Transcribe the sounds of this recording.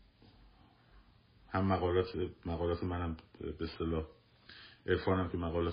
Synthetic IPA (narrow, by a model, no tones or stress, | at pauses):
hæmːæɣɒːlɒːt̪ʰemæɣɒːlɒːt̪ʰemænæmbest̪elɒːh | ʔeɾfɒːnæmkʰemæɣɒːlɒː